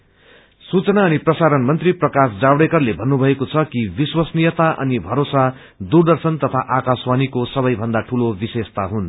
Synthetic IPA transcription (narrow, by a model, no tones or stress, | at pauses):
sut͡sʌnaʌniprʌsaɾʌnmʌnt̪riprʌkasd͡zabɽekʌrlebʱʌnːubʱʌekot͡sʰʌkibiswʌsnijʌt̪aʔʌ̰nibʱʌɾosa | d̪urd̪ʌrsʌnt̪ʌt̪ʰaʔakaswanikosʌβʌjbʱʌnd̪aʈʰulobisest̪aɦun